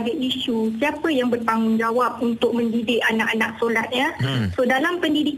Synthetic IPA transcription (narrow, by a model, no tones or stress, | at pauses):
ɡaiʃusiapəjaŋbərt̪aŋʊnd͡ʒawap̚unt̪ʊk̚mə̃ndidɪʔanaʔanãksolat̪̚ɲasodalampəndidik